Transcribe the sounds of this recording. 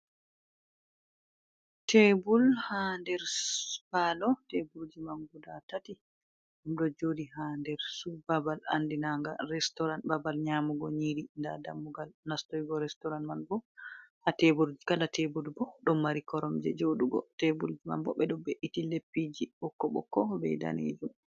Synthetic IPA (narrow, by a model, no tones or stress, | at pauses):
tebulhandɛɾpalɔtebuɾd͡ʒimanɡudatati | ʔumɗɔd͡ʒoːdiɦandɛɾsubabala̰ndinaŋɡa̰ɾɛstɔɾanbabalɲamuɡɔɲiɾindadamːuɡalnastɔjɡɔɾɛstɔɾanmanbɔhatebuɾd͡ʒikalatʰebulbɔɗɔmːaɾikɔɾɔmd͡ʒɛ̰d͡ʒoɗuɡɔ̰tebuld͡ʒima̰nbɔ̰ɓɛɗɔbeʔitilepːid͡ʒiɓɔkːɔɓɔ̰kːɔbɛjda̰nḛd͡ʒum